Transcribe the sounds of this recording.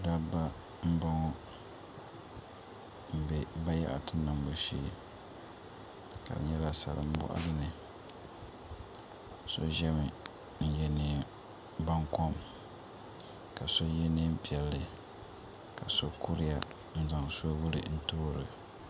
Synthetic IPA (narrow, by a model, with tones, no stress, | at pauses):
da˦ba˦ | m̩˦ba˦ŋɔ˦ | m̩˨bɛ˦ba˦ja̰˦ʔa̰˨tɨ˦na˨m˨bo˨ʃi˦˨ | ka̰˨dɨ̰˨ɲɛ˦la˨sa̰˨lɨ̰˨m̩˦bʊ̰˦ʔa̰˦dɨ˦nɨ˨ | so̰˦ʒɛ˦mɨ˨ | n̩˦jɛ˦niː˨ | ba˦ŋkɔ˦m | ka˨so˦jɛ˦ni˦m̩˦pi˨ɛ˨lːɨ˨ | ka˨so˦ku˦ɾɪ˦ja˦ | n̩˦za˨ŋso˦wʊ˦lɨ̰˨n̩˦toː˦ɾɨ˨